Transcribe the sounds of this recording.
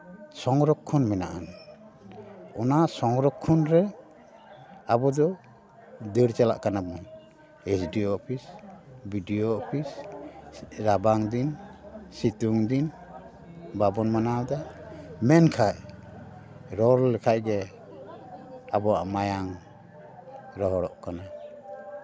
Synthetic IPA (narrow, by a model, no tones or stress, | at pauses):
sɔŋɾɔkʰːɔnmɛnaʔan | ɔnasɔŋɾɔkʰːɔnɾɛ | abɔd̪ɔ | d̪əɾt͡ʃala̰ʔkanabmi | esdiɔːpʰisbidiɔːpʰis | ɾabaŋd̪insit̪uŋd̪in | babɔnmanawd̪aʔmɛnkʰaj | ɾɔɾlɛkʰaʔɡɛ | abɔaʔmajaŋ | ɾɔɦɔɾɔ̰ʔkana